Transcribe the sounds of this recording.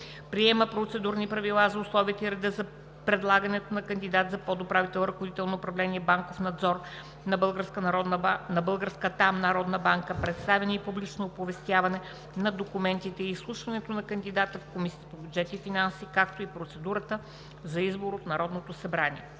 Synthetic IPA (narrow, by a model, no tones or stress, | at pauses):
pɾiɛməpɾot̪sɛd̪uɾnipɾɐvilˠazɐʊslˠɔvit̪əiɾɛd̪əzɐ | pɾɛd̪lˠaɡənɛt̪onɐkənd̪id̪at̪zɐpɔd̪opɾavit̪ɛlˠɾəxod̪it̪ɛlˠnoːpɾɐvlɛniɛbaŋkofnɐd̪zɔɾ | nɐbəlˠɡəɾskənɔnɐbɤlˠɡəɾskət̪amnɐɾɔd̪nəbaŋkəpɾɛt̪st̪avɛnɐipublit͡ʃnoːpovɛst̪ʲjavɐnɛ | nɐd̪okumɛnt̪it̪ɛiːslˠuʃvɐnɛt̪onɐkɐnd̪id̪at̪əfkomispobʲjud͡ʒɛt̪ifinansikakt̪oipɾot̪sɛd̪uɾət̪ə | zɐizboɾot̪nɐɾɔd̪not̪osɐbɾanʲiɛ